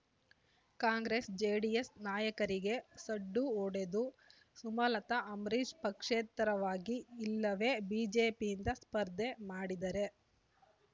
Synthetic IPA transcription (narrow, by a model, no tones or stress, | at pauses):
kaːŋɡɾesd͡ʒeːɖijesnaːjɐkɐɾiɡe̞sɐɖːuoːɽe̞d̪u | sumɐlɐt̪ɐʔɐmɾid͡ʒpɐkʂeːt̪ɾɐʋaːɡiːlːɐʋe̞ːbiːd͡ʒe̞ːpijind̪ɐspɐɾd̪ʱemaːɽid̪ɐɾe̞